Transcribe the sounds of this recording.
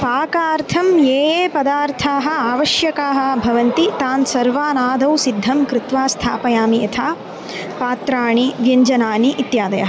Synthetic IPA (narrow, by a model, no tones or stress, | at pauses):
paːkaːɾt̪ʰɐmjeːjeːpɐd̪aːɾt̪ʰaːɦɐ̆aːʋɐʃjɐkaːɦɐ̆bʱɐʋɐnt̪it̪aːnsɐɾʋaːnaːd̪ʱɐwsid̪ʱːɐmkɾɪt̪ʋaːst̪ʰaːpɐjaːmiɐt̪ʰaː | paːt̪ɾaːɳiʋjɐɲd͡ʒɐnaːniʔːt̪jaːd̪ɐjɐ̰ɦɐ